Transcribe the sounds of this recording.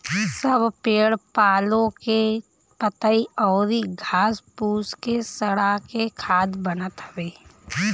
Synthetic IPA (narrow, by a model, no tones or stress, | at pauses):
səbʱpeːɽpaːlõke | pət̪aiɔːɾiɡʱaːspuːskesəɽakekʰaːd̪bənət̪ɦəʋeː